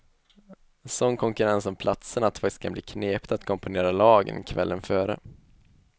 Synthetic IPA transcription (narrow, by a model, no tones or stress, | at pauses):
sɔnkʰɔŋkɵɾɛnsɔmpʰlʔat̪sənat̪̚fakt̪ɪ̥skʰambliːkʰneːpt̪at̪kʰɔmpʊneːɾalɑːɡə̰nkʰvɛlːʔənfœːɾə̰